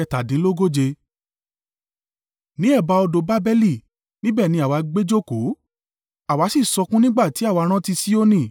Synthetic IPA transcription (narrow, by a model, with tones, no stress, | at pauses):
ɛ˧ta˨dĩ˨˦lo˦ɡo˦d͡ʒe˧ | nĩ˨˦ɛ˦˨ba˧ɔ˧do˨˧ba˦bɛ˦li˦˨ | nĩ˦bɛː˦˨nĩ˧˦a˨wa˨˧˦ɡ͡be˦d͡ʒo˦ko˨˦ | a˨wa˨˦si˦˨sɔ˧kũ˦nĩ˦ɡ͡ba˦˨ti˨˦a˦˨wa˧ɾ̃ã˦ti˧si˦o˦nĩ˦˨